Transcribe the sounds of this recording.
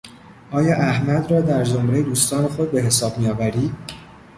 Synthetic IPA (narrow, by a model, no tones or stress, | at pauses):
ʔɒːjɒːʔæhmæd̪rɒːd̪æɾd͡ʒomɾe̞jeuːst̪ɒːne̞xo̞d̪̚be̞ɦe̞sɒːb̚mijɒːvæɾiː